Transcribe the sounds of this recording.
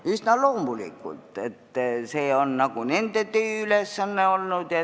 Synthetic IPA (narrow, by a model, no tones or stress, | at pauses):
ist̪næloːˑmbulḭkːṵt̪ːet̪ːæseonːɑkunent̪et̪yːylesːænːeolːut̪jɑ